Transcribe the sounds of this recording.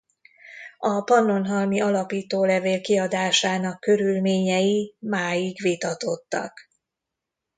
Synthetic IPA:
ɒpɒnːo̞nɦɒlmiɒlɒpiːt̪oːlɛveːlkiɒd̪aːʃaːnɒkːø̞ɾylmeːɲɛjimaːjiɡʋit̪ɒt̪o̞t̪ːɒ̰k

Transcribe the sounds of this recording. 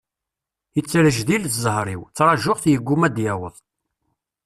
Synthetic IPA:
jət͡sːɾəʒðilθzˤəhɾˤiwt͡sːɾˤɑʒʊʁθjəɡʷːumæd̪jæwəðˤ

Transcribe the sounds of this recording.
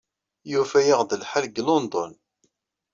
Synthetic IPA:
jufæjəʁðəlħalɡlond̪ˤɔn

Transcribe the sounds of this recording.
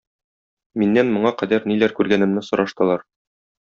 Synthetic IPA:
minːænmŏɴɑqæd̪æɾnilæɾkʉɾɡænɘ̆mnɘsŏɾɑʃt̪ɤ̆lˠɑɾ

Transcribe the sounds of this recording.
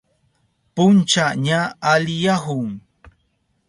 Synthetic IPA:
punt͡ʃaʔɲaːlijaɦuŋ

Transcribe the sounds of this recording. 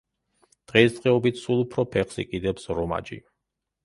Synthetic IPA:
d̪̥ʁɛisd̪qʼɛɔbit̪ʰsulˠupʰɾɔpʰɛχsḭkʼid̪ɛpsɾɔma̰d͡ʒḭ

